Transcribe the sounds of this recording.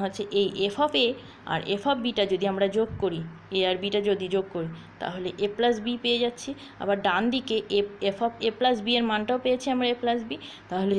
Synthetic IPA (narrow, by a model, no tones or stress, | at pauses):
ɦotːɕʰeʔejʔefɔpe | a̰ɾḛfʰɔpbiʈad͡ʑod̪iamɾad͡ʑoɡkoɾieaɾbiʈad͡ʑod̪id͡ʑoɡ̚koɾit̪a̰ɦoleʔeplas̬bipejed͡ʑatːɕʰi | a̰baɾɖand̪ikeʔeefʰɔpʰeplasbieɾmanʈaopejet͡ɕʰeamɾaeplasbi | t̪aɦole